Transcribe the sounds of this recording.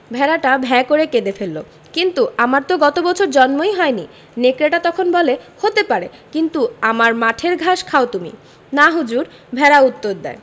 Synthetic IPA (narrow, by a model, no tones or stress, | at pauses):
bʱɛɾaʈabʱɛekoɾeked̪efelːo̰ | kint̪uamaɾt̪oɡɔt̪obɔt͡ɕʰoɾd͡ʑɔnmojɦɔeni | nekɾeʈat̪ɔkʰonbɔlehot̪epaɾekint̪uamaɾmaʈʰeɾɡʱaʃkʰaot̪umḭ | naɦud͡ʑuɾ | bʱɛɾaut̪ːoɾd̪ɛ̰e